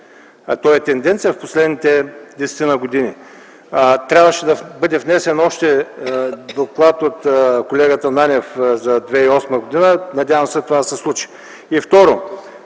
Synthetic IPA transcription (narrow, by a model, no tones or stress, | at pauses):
t̪ɔɛt̪ɛnd̪ɛnt̪sijəfposlɛd̪nit̪ɛd̪ɛsɛ̥t̪inɐɡod̪ini | t̪ɾʲabvəʃɛd̪ɐbɤd̪ɛvnɛsɛnɔʃt̪ɛ | d̪oklˠat̪ot̪kolɛɡət̪ənanʲɛfzɐd̪vɛiɔsməɡod̪inənɐd̪ʲjavəmsɛt̪ovad̪ɐsɛslˠut͡ʃi̥ | ift̪ɔɾo